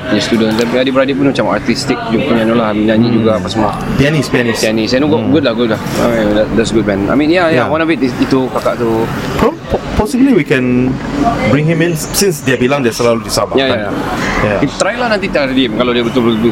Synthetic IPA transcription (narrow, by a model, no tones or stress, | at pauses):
ist̪udə̃nsdɛpadibəɾadipunmat͡ʃamat̪ist̪ik̚d͡ʒumpuɲanolahamĩnãɲĩd͡ʒuɡaːpasəma | pɛnispɛnisɛnisɛ̃nuɡɔɡud̚lahɡut̚laha̰dɛdɛtsɡut̚bɛ̃na̰jmĩnjajawãnɔfit̪it̪ukakaʔt̪ukɔmppɔsibəliwikɛ̃n | bɹĩŋɦĩmĩnsĩnsdɛabilãŋdɛsəlaludisabajajajajait̪ɾajlahnãnt̪it̪aidimkaladiəbət̪ʊlblu